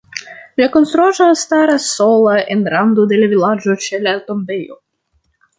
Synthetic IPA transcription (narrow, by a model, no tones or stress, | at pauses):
lʲakonst̪ɾuaʒast̪aɾasolˠaʔenɾand̪od̪elavilad͡ʒot͡ʃelʲat̪ombejo̰